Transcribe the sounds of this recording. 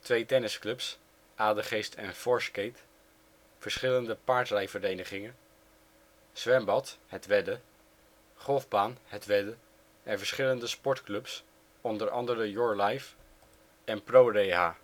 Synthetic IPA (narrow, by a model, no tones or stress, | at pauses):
tʋejtɛnɪsklɵps | ʔaːdəχejstɛnfɔɹskejt | fəɹsχɪləndəpaːɹtrɛjvəɾejnəχɪŋən | z̥ʋɛɹmbɑtɦətʋɛdə | χɔlˠvbaːnhətʋɛdə | ɛnvəɹsχɪləndəspɔɹtklɵps | ɔndəɹʔɑ̰ndəɾəjʊɹlajf | ɛnprowrejɦaː